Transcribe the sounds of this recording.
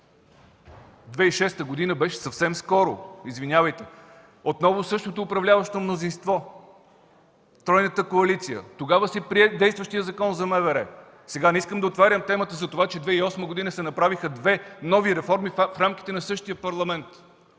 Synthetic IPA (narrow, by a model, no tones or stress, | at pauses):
d̪vɛiʃɛst̪əɡod̪inəbɛʃɛ̥sɐfsɛmskɔɾʊ̰izvinʲavəjt̪ɛ | ot̪nɔvʊsɤʃt̪ot̪oːpɾɐvlʲavəʃt̪omnozinst̪vɔ | t̪ɾɔjnət̪əkoɐlit̪sijə̰t̪oɡavəsɛpɾiɛd̪ɛjst̪vəʃt̪ijəzɐkɔnzɐmɛvɛɾɛ | sɛɡanɛiskəmd̪ɐot̪vaɾʲəmt̪ɛmət̪əzɐt̪ovat͡ʃɛd̪vɛiɔsməɡod̪inəsɛnɐpɾavixəd̪vɛnɔviɾɛfɔɾmiffɾamk̟i̥t̪ɛnɐsɤʃt̪ijəpɐɾlˠɐmɛnt̪